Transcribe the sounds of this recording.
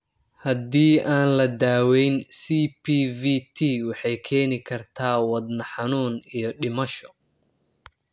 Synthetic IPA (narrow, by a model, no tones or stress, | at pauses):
hɐd̪iːʔaːnlɐd̪aːwɛjnsiːpʰiːvit̪ʰiːwɑħɑjkʰɛːnɪkʰɐrt̪ʰaːwɑd̪nɐħɑnuːnijɞɗɪmɐʃɔ̥